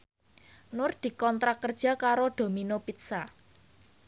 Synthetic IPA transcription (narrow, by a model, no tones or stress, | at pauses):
nʊrd̪̥i̤kɔnt̪ɾakərd̥ʒ̥a̤kaɾod̪̥o̤minopit̪sa